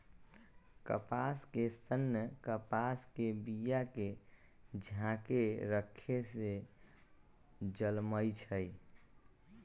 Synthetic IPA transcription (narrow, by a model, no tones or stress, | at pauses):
kə̰paskesənːəkəpaskebijake | d͡ʒʱãkeɾəkʰese | d͡ʒəlməjt͡ʃʰəj